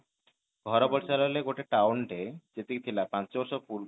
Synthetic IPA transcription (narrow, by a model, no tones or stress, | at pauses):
ɡ̥ʱɔɾobɔɾt͡ɕaloleɡoʈeʈawɳʈed͡ʑet̪et̪ʰilapãnt͡ɕɔɾʃopuɾ